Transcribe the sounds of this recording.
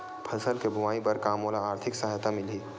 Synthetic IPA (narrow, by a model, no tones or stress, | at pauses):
pʰɐsəlkebʱʊʋaːipɐɾkaːmoːlaaːɾt̪ʰɪksəɦajt̪amɪlɦiː